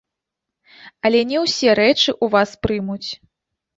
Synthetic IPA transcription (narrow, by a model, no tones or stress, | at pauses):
ɐlʲɛnʲɛwsʲɛɾɛt͡ʂɨʔuvaspɾɨmut͡sʲ